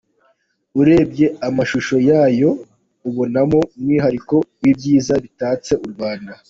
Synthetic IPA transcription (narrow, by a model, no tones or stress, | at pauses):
uɾe̞ːb̚ɟe̞amaʃuʃo̞jaːjo̞ | uβo̞namo̞mŋiːɦaɾiko̞jibjiːzaβitaːt͡se̞ʔuɾɡwaːnda